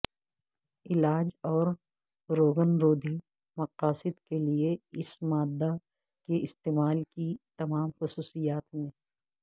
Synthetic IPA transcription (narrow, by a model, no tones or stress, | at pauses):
ɪlaːd͡ʒɔːɾ | ɾoːɡənɾoːd̪ʱi | mɐqaːsɪd̪kelieɪsmaːd̪ːa | keʔɪst̪eːmaːlkit̪ɐmaːmxʊsuːsijaːt̪mẽː